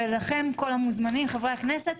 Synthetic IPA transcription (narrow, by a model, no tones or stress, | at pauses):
elaχe̞mko̞lhamuzmanimχevʁeaknese̞t̪